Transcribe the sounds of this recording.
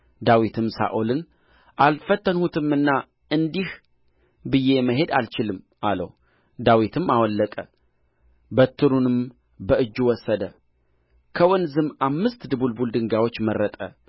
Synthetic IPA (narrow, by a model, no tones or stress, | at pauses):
d̪awit̪ʰɨmsa̰ʔolɨn | ʔalfət̪ːənhut̪ʰɨmɨnːa | ɨnd̪ih | bɨjːe̞məɦe̞d̪alt͡ʃɪlɨm | ʔalə̰w | d̪awit̪ʰɨmːawɔlːəkʼə | bət̪ʰːɨɾunɨm | bəɨd͡ʒːwɔsːəd̪ə | kʰəwɔnzɨmamːɨst̪d̪ɨbulbuld̪ɨŋɡawo̞t͡ʃːmərːət̪ʼə̰